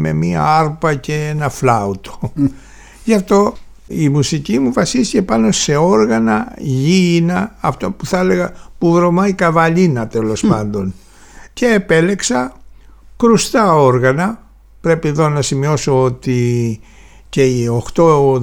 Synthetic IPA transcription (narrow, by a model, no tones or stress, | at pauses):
me̞̰miɐ̰ɐɾpɐce̞enɐflɐut̪o̥ | ʝɐft̪o̞ | imusicimuvɐsist̪icepɐno̞se̞o̞ɾɣɐnɐʝinɐːft̪opuθele̞ɣɐpuvɾo̞mɐikɐvɐʎinɐt̪elo̞spɐnd̪o̞n | ce̞ːpe̞le̞ksɐ | kɾust̪ɐo̞ɾɣɐnɐ | pɾe̞pieðo̞nɐsimio̞so̞ot̪i | ce̞io̞xt̪o̞